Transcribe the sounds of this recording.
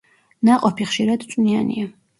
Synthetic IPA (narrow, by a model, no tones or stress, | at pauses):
naqʼɔpʰiχʃiɾad̪t͡ʃʼnianḭa